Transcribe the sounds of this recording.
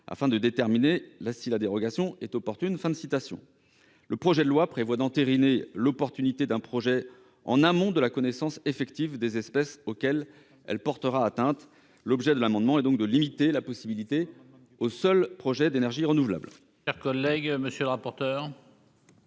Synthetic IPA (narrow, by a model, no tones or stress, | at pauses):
a̰fɛ̃d̪əd̪et̪ɛʁminelasilad̪eʁɔɡasjɔ̃ɛt̪ɔpɔʁt̪ynfɛ̃d̪əsit̪asjɔ̰̃ | ləpχɔʒɛd̪lwapχevwad̪ɑ̃t̪eʁinelɔpɔʁt̪ynit̪ed̪ɛ̃pχɔʒɛ | ɑ̰̃namɔ̃d̪əlakɔnesɑ̃sefɛkt̪ivd̪ezɛspɛsokʲɛl | ɛ̰lpɔʁt̪əʁaːt̪ɛ̃t̪ | lɔbʒɛd̪əlamɑ̃d̪mɑ̃ɛd̪ɔ̃k̚d̪əlimit̪elapɔsibilit̪e | osœlpχɔʒɛd̪enɛʁʒiʁənuvla̰bl | ʃɛʁkɔlːɛɡməsjølʁapɔʁt̪œːʁ